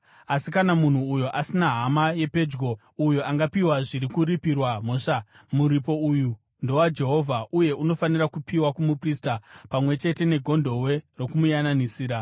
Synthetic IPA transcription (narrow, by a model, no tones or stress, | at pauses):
asikanamun̤uːjoʔasinaɦamaje̞pe̞d͡ʒɡo̞ | ujoʔaŋɡapiwaʐiɾikuɾipirwam̤oːʂa | muɾipo̞uːju | ndo̞wad͡ʒe̞ɦo̞vʱauje̞ʔuno̞fanirakupiwakumupristapamwe̞t͡ʃe̞te̞ne̞ɡʱo̞ndʱo̞we̞ro̞kumujananisiːɾa